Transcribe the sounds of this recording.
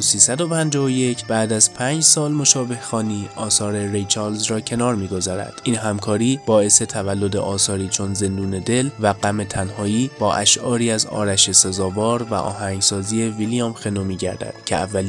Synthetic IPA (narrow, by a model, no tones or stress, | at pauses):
siːsæd̪o̞pʰænd͡ʒɒːvoje̞cʰb̥æːd̪æzpʰæːnd͡ʒsɒːlmo̞ʃɒːbe̞hxɒːniːɒːsɒːɾe̞ɾejt͡ʃʰæɾlzrɒːcʰe̞nɒːɾmiːɡo̞zɒːɾæ̰d̪̥ʔiːnɦæmkʰɒːɾiːb̥ɒːe̞se̞t̪ʰævælːo̞d̪ḛʔɒːsɒːɾiːt͡ʃʰo̞nze̞nd̪uːne̞d̪e̞lvæɡæme̞t̪ʰænhɒːiːb̥ɒːʔæʃʔɒːɾiːæzɒ̰ːɾæʃe̞sezɒːvɒːɾvæ̰ʔɒ̰ːhæŋɡsɒːziːe̞viliɑmxe̞nomiːɟæɾd̪æ̰d̪̥cʰeævːæl